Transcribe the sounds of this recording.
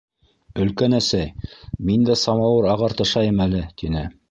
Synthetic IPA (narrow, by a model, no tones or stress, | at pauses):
ɵ̆lkænæsæjmind̪æsɑmɑwɤɾɑʁɑɾt̪ɤ̆ʃɑjɤmælɘt̪inɘ